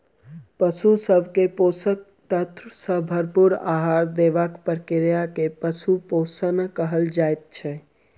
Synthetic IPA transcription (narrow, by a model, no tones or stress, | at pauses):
pəsusəbʱkeposək̚ | t̪ət̪ɾsə̃bʱəɾpuɾa̰ɦaɾd̪eʋakpəɾkɪɾjakepəsuposənkəɦəld͡ʒaːet̪̚t͡ʃʰɛ